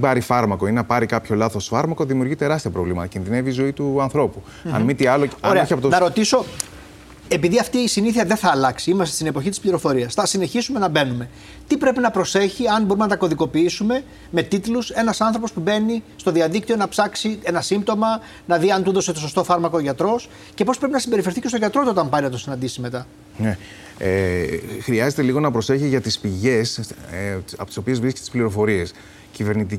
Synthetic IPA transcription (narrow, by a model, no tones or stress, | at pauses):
ibɐɾifɐɾmɐko̞inenɐpɐɾikɐpço̞lɐθo̞sfɐɾmɐko̞ðimiuɾʝit̪e̞ɾɐst̪iɐpɾo̞vlimɐ̰t̪ɐcinðine̞vizo̞it̪uɐnθɾo̞pu | ɐ̰nmit̪iɐlooɾeɐiɐpot̪onɐɾo̞t̪iso̞ | e̞piðiɐft̪iːsiniθiɐðeθɐːlɐksiimɐst̪est̪ine̞po̞çit̪ispliɾo̞fo̞ɾiɐsθɐsine̞çisume̞nɐbe̞nume̞ | t̪ipɾe̞pinɐpɾo̞se̞çiɐnbo̞ɾumenɐt̪̬ɐko̞ðiko̞piisume̞ | me̞t̪it̪luse̞nɐsɐnθɾo̞pospube̞nist̪o̞ðiɐðik̚t̪io̞nɐpsɐksie̞nɐsimt̪o̞mɐ | nɐðiɐnt̪uðo̞set̪o̞so̞st̪o̞fɐɾmɐkooʝɐt̪ɾo̞s | ce̞po̞spɾepinɐsimbeɾife̞ɾθicest̪o̞ʝɐt̪ɾo̞t̪uot̪ɐmpɐɾinɐt̪o̞sinɐnd̪isime̞t̪ɐ | ne | xɾiɐzet̪eliɣo̞nɐpɾo̞se̞çiʝɐt̪ispiʝe̞s | ɐpot̪iso̞pie̞zvɾiske̥st̪i̥spliɾo̞fo̞ɾie̞s | cive̞ɾnit̪̬i